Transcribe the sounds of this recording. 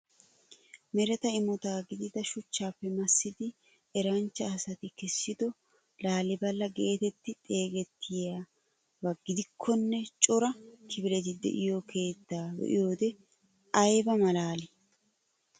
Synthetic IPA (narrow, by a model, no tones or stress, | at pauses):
mɛɾɛt̪ɐɪmɔt̪aːɡɪd̪ɪd̪ɐʃʊt͡ʃːaːpːɛmɐsːɪd̪ɪ | ɛɾɐnt͡ʃːɐɐsɐt̪ɪkɛsːɪd̪ɔ | laːlɪbɐlːɐɡe̞ːt̪ɛt̪ːɪt̪ʼe̞ːɡɛt̪ʰːɪja | bɐɡɪd̪ɪkʰːɔnːɛt͡ʃʼɔɾɐkʰɪbɪlɛt̪ɪd̪ɛ̰ʔɪjokʰe̞ːt̪ːaːbɛ̰ʔɪ̰joːd̪ɛ | ɐjbɐmɐlaːlɪ